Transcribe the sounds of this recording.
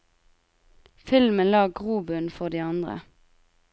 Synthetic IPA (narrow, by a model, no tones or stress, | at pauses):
fɪlmənlɑːɡʁuːbʉnfɔʁd̪iːɑnd̪ʁə̰